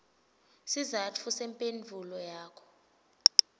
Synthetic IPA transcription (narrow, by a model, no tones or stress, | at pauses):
sizat͡fʰusɛmpʼendd͡ɮʱulɔjaːkʰɔ̥